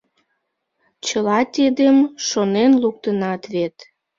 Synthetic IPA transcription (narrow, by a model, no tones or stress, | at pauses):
t͡ɕəlɑt̪ʲed̪emʃonenluk̚t̪ənɑt̪βet̪